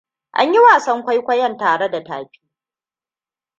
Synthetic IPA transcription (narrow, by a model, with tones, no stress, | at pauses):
ʔa̰˦ɲji˦waː˨sɐ˦ŋkʷa˦jkʷɐ˦jɐ˦˨ntaː˨ɽe˦da˨ta̰ː˨ɸi̥ː˦